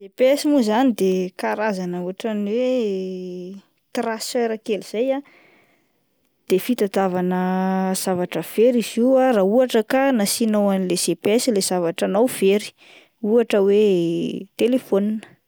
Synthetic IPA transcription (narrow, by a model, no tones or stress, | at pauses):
sepɛsimuzanid̪ekaɾazanəuaʈ͡ʂaniwe | t̪rasfeɾakeliz̥aja | d̪̥efit̪at̪avanəz̥avaʈ͡ʂəv̥eɾiziarauaʈ͡ʂəkanasinowanilesepɛsilez̥avaʈ͡ʂanawv̥eɾi̥ | uaʈ͡ʂəwe | t̪elefoninə̥